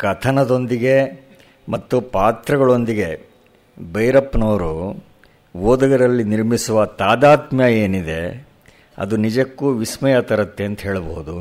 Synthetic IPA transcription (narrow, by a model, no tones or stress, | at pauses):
kɐt̪ʰɐnɐd̪o̞nd̪iɡe̞ | mɐt̪ːupaːt̪ɾɐɡɐɭo̞nd̪iɡe̞ | bɐjɾɐpːnɐːɾu | ʋoːd̪ɐɡɐɾɐlːiniɾmisuʋɐt̪aːd̪aːt̪mjɐeːnid̪e̞ | ɐ̰d̪unid͡ʒɐkːuːʋismɐjɐt̪ɐɾɐt̪ːeɐnt̪ɐɦe̞ːɭboɦud̪u